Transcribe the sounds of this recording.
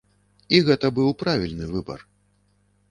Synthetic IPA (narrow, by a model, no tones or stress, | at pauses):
iɣɛt̪ɐbɨwpɾavʲilʲnɨvɨbɐ̰r